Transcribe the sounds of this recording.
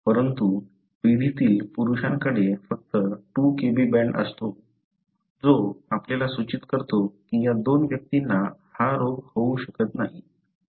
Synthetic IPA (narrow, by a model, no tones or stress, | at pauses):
pəɾənt̪u | ʋid̪ʱit̪iːlpuɾuɕãŋkəɽefək̚t̪əʈukebibɛɳɖə̰st̪o | d͡zoapljalasut͡ɕit̪kəɾt̪okijad̪onʋjək̚t̪inːahaɾoɡhouɕəkət̪naɦi